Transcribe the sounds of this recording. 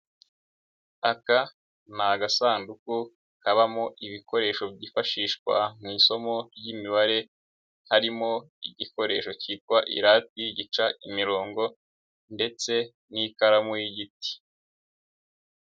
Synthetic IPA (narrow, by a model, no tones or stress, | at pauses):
aka | naɡasaːnduku | kaβamoʔiβiko̞ɾe̞ːʃo̞bɟifaʃiːʃkwa̰miːso̞mo̞ɾjimiβaɾe̞ | haɾimo̞ | iɟiko̞ɾe̞̰ːʃo̞ciːt̚kwaʔḭɾat̚wiɟit͡ʃaʔimiɾo̞ːŋɡo̞ | nde̞t͡se̞ | nikaɾamujiɟiti̥